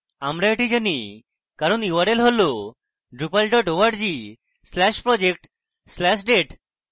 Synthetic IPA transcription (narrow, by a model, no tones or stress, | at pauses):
amɾaeʈid͡ʑani | kaɾoniuʋaɾelɦolo | ɖɾupalɖɔʈoʋaʈd͡ʑi | slɛʃpɾɔd͡ʑek̚ʈ | slɛʃɖeʈ